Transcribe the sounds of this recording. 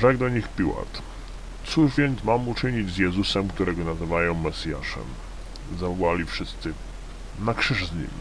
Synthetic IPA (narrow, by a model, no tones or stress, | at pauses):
ʐɛɡd̪ɔɲixpʲiwa̰t̪ | t̪suʐvʲjɛnt̪smamut͡ʂɘɲid͡ʑzjɛzusɛmkt̪uɾɛɡɔnazɘvajɔ̃w̃mɛsʲja̰ʂɛ̰m | zavɔwalʲifʂɘst̪sɘ | nakʂɘʐzɲḭm